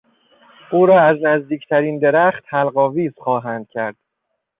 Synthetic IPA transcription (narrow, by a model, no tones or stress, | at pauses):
ʔuːɾɒːæznæzd̪iːcʰt̪ʰæɾiːnd̪e̞ɾæxt̪hælɢɒːviːz̥xɒːɦænd̪̥̚cʰæɾd̪̥